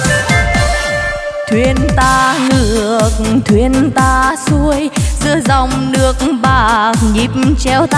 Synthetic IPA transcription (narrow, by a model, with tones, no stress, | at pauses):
t̪ʰwi˧ənt̪aː˧ŋɨ˧˩əək̚t̪ʰwi˧ənt̪aː˧su˧əjzɨ̰˧əza˧˩wŋ͡mnɨ˧˩ək̚ɓaː˧˩ɲi˨˩p̚mt͡ɕɛ˧wt̪